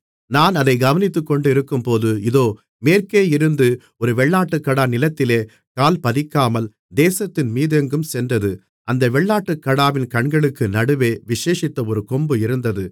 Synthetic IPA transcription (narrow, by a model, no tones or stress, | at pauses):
naːnɐðɐɪɡɐʋɐnɪt̪ːɯkːɔɳɖɯɪɾɯkːɯmpoːðɯɪðoː | meːɾkeːɪɾɯnd̪ɯ | ɔɾɯʋɛɭːaːʈːɯkːɐɽaːnɪlɐt̪ːɪleː | kaːlpɐðɪkːaːmɐl | d̪eːsɐt̪ːɪnmiːðɛŋɡɯmsɛndrɐðɯ | ʔɐnd̪ɐʋɛɭːaːʈːɯkːɐɽaːʋɪnkɐɳɡɐɭɯkːɯnɐɽɯʋeːʋɪʂeːʂɪt̪ːɐɔɾɯkɔmbɯɪɾɯnd̪ɐðɯ